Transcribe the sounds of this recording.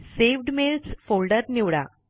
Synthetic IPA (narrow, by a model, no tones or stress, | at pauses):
seʋɖmelsfoɭɖəɾniʋɽa